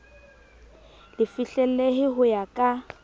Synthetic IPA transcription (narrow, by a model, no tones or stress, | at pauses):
lɪfiɬɛl̩eɦɪɦʊjakʼa